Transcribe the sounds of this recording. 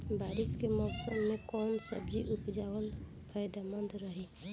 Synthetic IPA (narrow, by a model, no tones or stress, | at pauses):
baːɾɪskemɔʊsəmːẽkɔːnsə̰bd͡ʒiʔupd͡ʒaːwəl | pʰəjd̪amə̃nd̪ɾəɦi